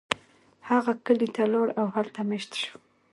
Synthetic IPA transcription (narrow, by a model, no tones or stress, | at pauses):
haɣakəlit̪aloɽawhalt̪ameʃt̪ʃu̥